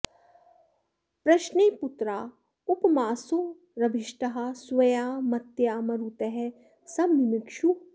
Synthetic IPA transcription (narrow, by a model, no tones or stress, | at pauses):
pɾɐʃneːput̪ɾaː | upmaːso | ɾɐbʱɪʃʈɐɦaswɐjaːmɐt̪jaːmɐɾut̪ɐɦɛ | sɐbnimɪkʃu